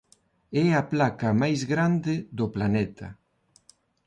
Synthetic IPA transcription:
ɛaplakamajzɣɾand̪ed̪oplanɛt̪ʰa̰

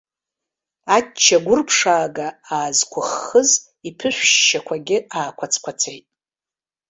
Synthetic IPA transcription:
at͡ʃʰːaɡʷʊrpʰʂaːɡaaːzkʷʰʊχːəz | ipʰɨʃʷʃːakʷʰaɡʲɪaːkʷʰat͡sʰkʷʰat͡sʰejtʼ

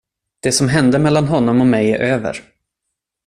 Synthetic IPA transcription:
d̪̥ɛsɔmɦɛnd̪əmɛlːanɦɔnːɔmɔmɛjæɾʔøːvə̰ɾ

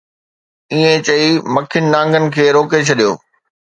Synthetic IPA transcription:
iẽt͡ɕɐimɐkʰɪnɪnãːŋɡənɪ̆kʰeːɾoːket͡ɕʰɐɗijoː

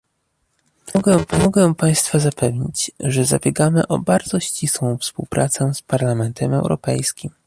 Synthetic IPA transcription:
ɡɛpɔmɔɡɛpaj̃st̪fazapɛvɲit͡ɕʐɛza̰bʲjɛɡamɘʔɔbaɾd̪zɔɕt͡ɕiswɔ̃w̃fspuwpɾʔat̪sɛspaɾlamɛnt̪ʰɛmɛwɾɔ̰pɛjskʲim

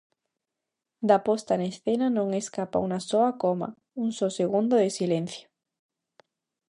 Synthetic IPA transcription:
d̪apost̪anesθenanõŋeskapa̰unasoakoma̰ | unsoseɣund̪oðesilen̟θjo̥

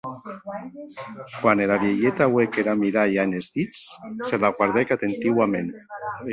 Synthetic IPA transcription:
kwanelaβjeʎet̪awekeɾamiɾajanezðit͡sselaɣwaɾðekat̪ent̪iwamen

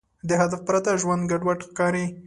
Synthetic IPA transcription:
d̪əɦad̪afpɾat̪aʒwand̪ɡaɖwaʈxkɑɾi

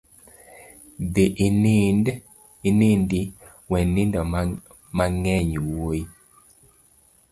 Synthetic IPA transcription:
d̪eʔ | nɪndi | wɛnɪndɔ | maŋɛɲwoji

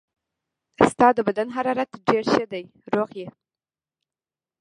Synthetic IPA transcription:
st̪ɑd̪əbad̪anɦaɾɑɾat̪ɖeɾʃəd̪aj | ɾoɣje

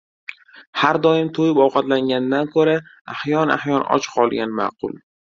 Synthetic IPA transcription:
haɾd̪ɒjɪmt̪ʰojɪpɒwqɑt̪laŋɡʲand̪ankʰɵɾa | ahjɒna̰hjɒnɒ̰t͡ʃqʰɒlˠɡʲanma̰qʰʊ̰lˠ

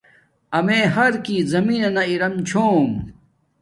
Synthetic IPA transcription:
ɐmeːɦɐɾkiːzɐmiːnenɐiɾɐmt͡ɕʰoːm

